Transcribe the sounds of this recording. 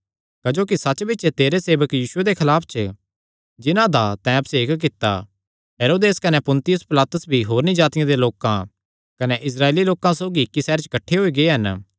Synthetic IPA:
kɐd͡ʒoːk̬isɐt͡ʃːbɪt͡ʃet̪eːɾeseːbəkjiːʃʊed̪ekʰɐlaːpʰt͡ʃə | d͡ʒɪnãd̪at̪ɛ̃ːbseːkkɪt̪ːa̰ | ɦeɾoːd̪eːskɐnepʊ̃nt̪ɪjʊspɪlaːt̪ʊsbʱiɦoːɾnid͡ʒaːt̪ɪjãd̪eloːkã̰ | kɐneʔɪs̬ɾaːeːliloːkãsoːɡiɪkːisɛːɾt͡ʃkɐʈʰːeɦoiɡeeɦɐn

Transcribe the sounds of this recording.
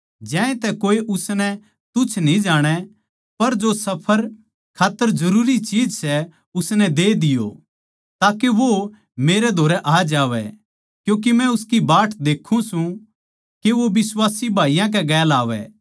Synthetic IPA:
d͡ʒɛ̃ːẽt̪ɛkoːiʔʊsnɛ | t̪ʊt͡ʃʰnĩd͡ʒaːɽ̃ɛ | pɐɾd͡ʒosɐpʰəɾ | kʰaːt̪ːəɾd͡ʒɐɾuːɾit͡ʃiːd͡ʒsɛ | ʊsnɛd̪eːd̪ɪjo̰ | t̪aːkeʋo | meːɾɛd̪ʱoːɾɛʔaːd͡ʒaːʋɛ̰ | kjũːk̬imɛ̃ʊskibaːʈʰd̪eːkʰːũsũ | keʋoʋɪswaːsibʱaːijãk̬ɛɡɛːlaːʋɛ̰

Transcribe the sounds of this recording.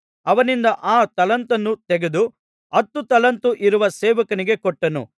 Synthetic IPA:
ɐʋɐnind̪ɐʔaːt̪ɐlɐnt̪ɐnːut̪eɡe̞d̪u | ɐt̪ːut̪ɐlɐnt̪uʔiɾuʋɐseːʋɐkɐniɡe̞kɔʈːɐnṵ

